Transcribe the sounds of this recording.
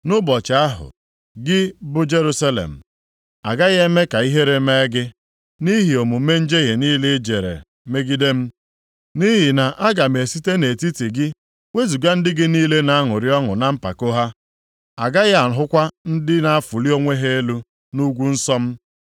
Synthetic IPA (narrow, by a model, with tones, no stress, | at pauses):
nʊ˦bɔ˨t͡ʃa˨a˦ɦʊ̰˨ | ɡɪ˦bʊ˦d͡ʒe˦ɾu˦sa˦lḛ˨m̩˨ | a˨ɡa˦ɣe˦me˦ka˨i˦ɦe˦ɾe˦me˦ɡɪ˦ | ni˦ɦi˨o˨mu˨me˦n̩˦d͡ʒe˦ɦe˨niː˦lɪ˦d͡ʒe˨ɾḛ˨ | me˦ɡi˦de˦m̩˦ | ni˦ɦi˨na˨ʔa˦ɡa˨m˨e˨si˦te˦ne˨ti˦ti˨ɡɪ˦ | ŋʷe˦zu˨ɡa˦n̩˦dɪ˦ɡɪ˦niː˦le˦na˨a˦ŋʊ˨ɾɪ˦ɔ˦ŋʊ˨na˨m̩˦pa̰˨ko˦ɦa˦ | a˨ɡa˦ɣa˨ɦʊ˦kʷa˦n̩˦dɪ˦na˨a˦fʊ˨li˦o˦ŋʷe˦ɦe˦e˦lu˦ | nu˦ɡʷu˦n̩˦sɔ˦m̩˦